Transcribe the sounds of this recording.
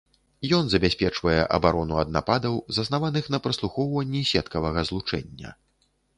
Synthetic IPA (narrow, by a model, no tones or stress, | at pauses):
jɔnzɐbʲasʲpʲɛt͡ʂvɐjɛʔɐ̰baɾɔnuɐd̪̚na̰pad̪ɐwzɐsnavanɨxn̪ɐpɾɐslˠuxɔwvɐnʲːisʲɛt̪kɐvɐɣɐzlˠut͡ʂɛ̰nʲːɐ̰